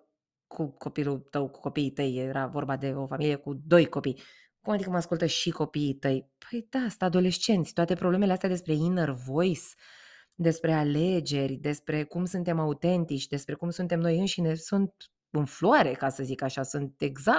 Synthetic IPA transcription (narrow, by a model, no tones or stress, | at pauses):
kʰuko̞pilut̪əwku̥ko̞piːt̪əjeɾavo̞rbad̪e̞o̞familije̞kud̪o̞jko̞pij | kumad̪ikəməaskult̪əʃiko̞piːt̪əjpəjd̪asɨnt̪ad̪o̞le̞ʃt͡ʃe̞nt̪sʲt̪oat̪epɾoblemeleast̪ead̪espɾe̞inervo̞js | d̪e̞spɾe̞ale̞d͡ʒe̞rʲd̪e̞spɾe̞kumsunt̪e̞maut̪e̞nt̪it͡ʃʲd̪e̞spɾe̞kumsunt̪e̞mno̞jɨnʃine̞sunt̪̚ | ɨnfluaɾe̞kasəzikaʃasunt̪e̞ɡza